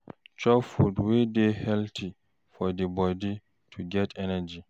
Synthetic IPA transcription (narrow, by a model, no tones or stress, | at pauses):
t͡ʃɔfudwedɛhɛltʰi | fɔdibɔdi | tʰuɡɛtʰɛnad͡ʒi